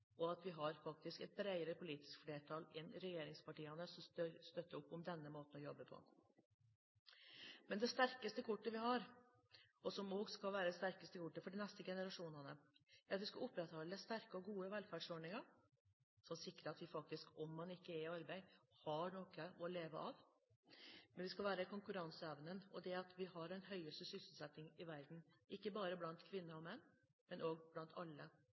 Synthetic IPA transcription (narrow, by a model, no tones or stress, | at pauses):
ɔɑt̪ʋɪɦɑɾfɑk̚t̪ɪskɛt̪̚bɾæɪəɾəpʊliːt̪ɪ̥skfleːʈʰɑlɛnɾɛjeːɾɪŋspɑʈiːɑnəsɔt̪st̪œt̪ːəɾʊpːʊmd̪ɛnːəmoːt̪n̩ɔjɔbːəpʰɔ̰ | mɛnd̪ɛst̪æɾkəst̪əkʰʊʈːəʋɪɦɑɾ | ɔsɔmoːɡskɑlʋæːɾəd̪ɛst̪æɾkəst̪əkʰʊʈːəfɔɖɪnɛst̪əɡɛnəɾɑʂuːnɑnəæɾɑt̪ʋɪskɑlʊpːɾɛt̪hɑlːəst̪æɾkəɔɡuːəʋɛlfæɖʂɔɖɳɪŋɑɾ | sɔmsɪkːɾəɑt̪ʋɪfɑk̚t̪ɪskɔmːɑnɪkːəɛɾɑɾbæɪhɑɳɔkəʔɔleːʋəʔɑʋ | mɛnʋɪskɑlʋæːɾəkʰʊŋkʉɾɑnsəɛʋnənɔd̪ɛɑt̪ʰʋɪɦɑɖɛnɦœʏəst̪əsʏsl̩sɛt̪ːɪŋɪʋæɾd̪n̩ɪkːəbɑːɾəblɑnt̪kʰʋɪnːəɾɔmɛnː | mɛnʔoːɡblɑnt̪ʰɑlːə